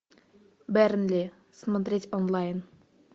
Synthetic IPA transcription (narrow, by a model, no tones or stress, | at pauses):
bæɾnlʲi | sməd̪ɾʲetʲɔnlˠajn